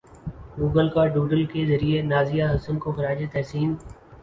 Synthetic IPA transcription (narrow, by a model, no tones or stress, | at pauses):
ɡuːɡəlkaːɖuːɖəlkezɐɾienaːzɪjaɦʊsənkoxɐɾaːd͡ʒet̪ɛɦsiːn